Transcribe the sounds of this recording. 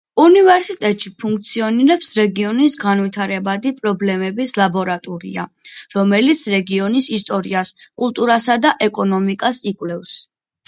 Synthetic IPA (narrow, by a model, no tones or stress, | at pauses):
univɛɾsit̪ʼɛt̪ʼʃipʰuŋk̚ʰʼt̪sʰiɔniɾɛpsɾɛɡiɔnisɡanwit̪ʰaɾɛbad̪ipʼɾɔblɛmɛbislˠabɔɾat̪ʼɔɾḭa̰ɾɔmɛlit̪sʰɾɛɡiɔnisist̪ʼɔɾiaskʼulˠt̪ʼuɾasad̪aʔɛkʼɔnɔmikʼasikʼwlɛfs